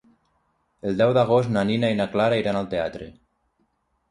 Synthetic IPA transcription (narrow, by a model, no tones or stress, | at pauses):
eld̪ɛwðaɣ̞osnaninainaklaɾaiɾanalˠt̪eat̪ɾḛ